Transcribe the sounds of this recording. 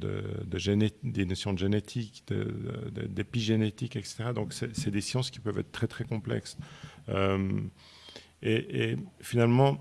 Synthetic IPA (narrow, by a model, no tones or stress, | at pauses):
d̪ə̰d̪əʒened̪enɔsjɔ̃d̪əʒenet̪ʰikd̪̥ə̰ə̰d̪ə̰d̪epiʒenet̪ikɛkse̥t̪eʁad̪ɔ̃ksɛsɛd̪esjɑ̃skʲi̥pœvɛ̰t̪χt̪ːχɛt̪χɛkɔ̃plɛ̰ksøm | eʔefinalmɑ̃